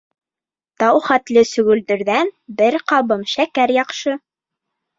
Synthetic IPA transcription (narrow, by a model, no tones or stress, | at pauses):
t̪ɑwχæt̪lɘsɵ̆ɡɵ̆ld̪ɘ̆ɾðænbɘɾqɑβɤmʃækæɾjɑqʃɤ